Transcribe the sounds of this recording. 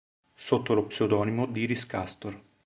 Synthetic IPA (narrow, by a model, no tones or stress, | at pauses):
sot̪ːolopseod̪ɔːnimod̪iɾiskast̪or